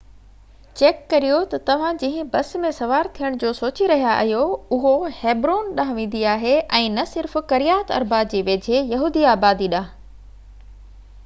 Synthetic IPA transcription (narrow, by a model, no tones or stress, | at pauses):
t͡ɕeːkːɐɾijot̪ɐt̪ɐʋ̤ãd͡ʑĩɦɪ̃̆bɐs̆mẽsɐʋaːɾt̪ʰijəɽ̃d͡ʑoːsoːt͡ɕiɾɐɦijaʔɐ̰ɦjoʊɦoheːbɾoːnɗaːɦʋẽːn̆d̪iaːɦeʔɛ̃ːnɐsɪɾfkɐɾijaːt̪ɐ̰ɾbaːbd͡ʑeːʋeːd͡ʑʱejɐɦuːd̪iaːbaːd̪iɗãːɦ